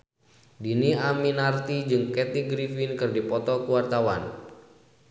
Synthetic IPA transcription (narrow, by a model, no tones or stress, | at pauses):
diniaminart̪id͡ʒɨŋkɛt̪iɡɾifinkɨrdipɔt̪ɔkuwart̪awan